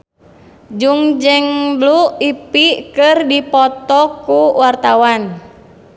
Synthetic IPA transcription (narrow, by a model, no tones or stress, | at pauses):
d͡ʒuŋd͡ʒəŋbluipikɨrdipɔt̪ɔkuwart̪awan